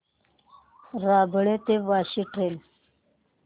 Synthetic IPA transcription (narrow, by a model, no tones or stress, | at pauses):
ɾaːbəɭet̪eʋaːɕiʈɾel